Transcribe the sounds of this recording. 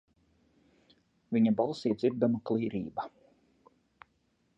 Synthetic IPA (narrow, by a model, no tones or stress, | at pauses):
viɲabɑlˠsiːd̪zʲiɾd̪amaklˠiːɾḭːba